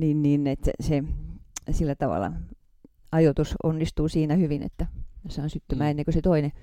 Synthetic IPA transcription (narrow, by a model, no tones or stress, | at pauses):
niːnniːnet̪se | silːæt̪ɑʋɑ̰lːˑɑ̰ | ɑjot̪uso̰nːist̪uːsiːnæhyʋinḛt̪ːæmsɑˑːnsyt̪ːymæːenːeŋkøset̪oine